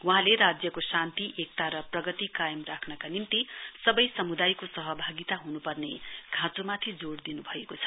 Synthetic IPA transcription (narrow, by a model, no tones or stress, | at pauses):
waɦãleɾad͡zjʌkosãnt̪iʔek̚t̪aɾʌprʌɡʌt̪ikajʌmrakʰnʌkanimt̪isʌbʌjsʌmud̪ajkosʌɦʌbʱaɡit̪aɦunupʌrneɡʱãt͡somat̪ʰid͡zoɽd̪inubʱʌekot͡sʰʌ̥